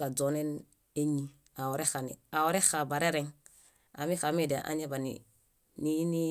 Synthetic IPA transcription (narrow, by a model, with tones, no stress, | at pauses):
a˨d͡ʒo˨ne˦n | e˦ɲi˨ | a˨wo˨ɾe˦xa˨nḭ˨a˨o˦ɾe˦xa˨ba˨ɾe˦ɾe˦ŋ | a̰˨mi˦xa˨me˦de˨ʔa̰˨ɲe˦ba˨nḭ | ni˦ni˦